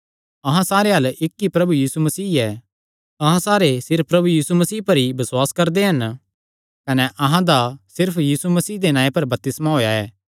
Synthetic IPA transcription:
ɐɦãsaːɾeɦɐlɪkːipɾɐbujiːsumɐsiːɛː | ɐɦãsaːɾesɪɾppɾɐbujiːsumɐsiːpɐɾibɐswaːskɐɾd̪eɦɐn | kɐnɛʔɐɦãd̪asɪɾpʰjiːsumɐsiːd̪enãːẽpɐɾbɐp̚t̪ɪsmaɦoːjaɛː

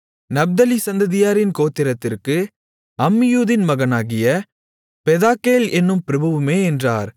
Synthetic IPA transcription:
nɐb̚d̪ɐlisɐnd̪ɐðɪjaːɾɪnkoːt̪ːɪɾɐt̪ːɪrkɯ | ɐmːɪjuːðɪnmɐɣɐnaːɣɪjɐ | pɛðaːkeːlɛnːɯmpɪɾɐbɐʋɯmeːɛndraːɾ

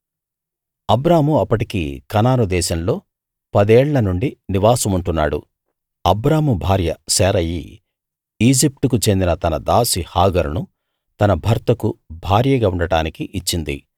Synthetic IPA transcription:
ɐbɾaːmuɐpːɐʈikḭkɐnaːnud̪ɛːʃɐmlo̞ː | pɐd̪eːɭːɐnuɳɖiniʋaːsɐmuɳʈunːaːɽṵ | ɐbɾaːmubʱaːɾjɐsɛːɾɐjḭ | iːd͡ʒip̚ʈ̪ukut͡ʃe̞nd̪inɐt̪ɐnɐd̪aːsihaːɡɐɾunu | t̪ɐnɐbʱɐɾt̪ɐkubʱaːɾjɐɡaːuɳɖɐɽaːnikiʔːt͡ʃːind̪ḭ

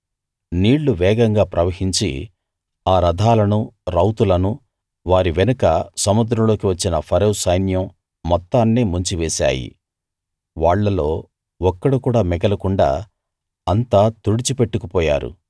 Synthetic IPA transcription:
niːɭːuʋɛːɡɐŋɡaːpɾɐʋɐhiɲt͡ʃḭ | aːɾɐd̪ʱaːlɐnuɾɐwt̪ulɐnu | ʋaːɾiʋɛnɐkɐsɐmud̪ɾɐmlo̞ːkiʋɐt͡ʃːinɐpʰɐɾɐwsɐjnjɐmː | ɔt̪ːaːnːeːmuɲt͡ʃiʋɛːsa̰ːjḭ | ʋaːɭːɐlo̞ː | ɔkːɐɽukuːɽaːmɛɡɐlɐkuɳɖa̰ː | ɐnt̪aːt̪uɽit͡ʃipe̞ʈːukupɔːja̰ːɾṵ

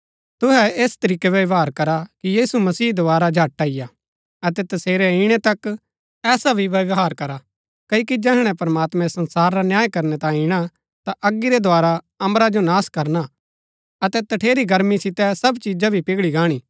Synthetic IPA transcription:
t̪ʊɦɛeːst̪ɐɾiːkɛʋɐʋɦaːɾkɐɾakijiːsumɐsiːd̪oaːɾad͡ʒʱaːʈːaɪja | ɐt̪ɛt̪ɐseːɾɛɪɽ̃ɛt̪ɐk | ɛːsabʱiʋɐʋɦaːɾkɐɾa | kɐkid͡ʒɛːɦɽ̃ɛ̃pɐɾɐmaːt̪mɛ̃sɐ̃nsaːɾːanjaːjkɐɾnɛt̪ãːĩɪɽ̃a | t̪aʔɐɡːiɾɛd̪ʱoaːɾa | ɐ̃mɾad͡ʒonaːskɐɾna | ɐt̪ɛt̪ɐʈʰeːɾiɡɐɾmisɪt̪ɛsɐbt͡ʃiːd͡ʒabʱipɪɡɭiɡaːɽ̃iː

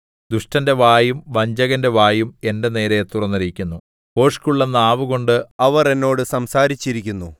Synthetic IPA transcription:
d̪uʂʈɐnde̞ʋaːjumʋɐɲd͡ʑɐɣɐnde̞ʋaːjume̞nde̞ne̞ːɾet̪urɐnːɐɾikʲːunːu | po̞ːʂkuɭːɐnːaːʋuɣo̞ɳɖɨɐʋɐre̞nːo̞ːɽɨsɐmsaːɾit͡ɕːiɾikʲːunːu

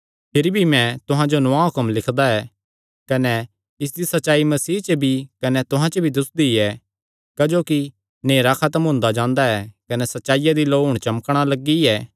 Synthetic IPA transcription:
pʰɪɾibʱimɛ̃t̪ʊɦãd͡ʒonʊãɦʊkəmlɪkʰd̪aɛː | kɐnɛ | ɪs̬d̪isɐtːʃaːimɐsiːt͡ʃəbʱikɐnɛt̪ʊɦãt͡ʃəbʱid̪ʊsd̪iɛ | kɐd͡ʒoːki | neːɾakʰat̪əmɦʊ̃ːnd̪ad͡ʒãːnd̪aɛkɐnɛsɐtːʃaːijad̪iloːɦʊɽ̃t͡ʃɐməkɽ̃alɐɡiɛː

